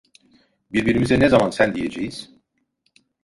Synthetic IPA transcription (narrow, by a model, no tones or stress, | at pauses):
biɾbiɾimizɛnɛzamansænd̪ije̞d͡ʒejiz̥